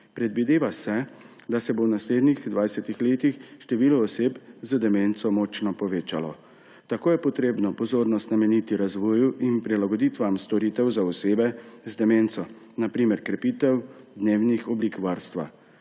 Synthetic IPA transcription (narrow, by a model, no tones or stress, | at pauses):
pɾɛd̪ʋid̪eːʋasɛd̪asɛbownasleːd̪nixd̪ʋajsɛt̪ixleːt̪ixʃt̪ɛʋiːlɔːseːpzəd̪ɛmeːnsɔmɔːt͡ʃnɔpɔʋeːt͡ʃalɔ̰ | t̪akoːjɛpɔt̪ɾeːbnɔpɔzoːɾnɔst̪namɛnit̪iɾazʋɔːjuʔinpɾilaɡɔd̪iːt̪ʋamst̪ɔɾiːt̪ɛwzaɔseːbɛzd̪ɛmeːnt̪sɔ | napɾiːmɛɾkɾɛpiːt̪ɛwd̪neːwnixɔbliːkʋaɾst̪ʋa̰